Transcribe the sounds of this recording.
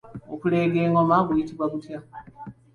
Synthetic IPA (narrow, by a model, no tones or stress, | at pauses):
okuleːɡeːŋɡomaɡujitiβwaɡutja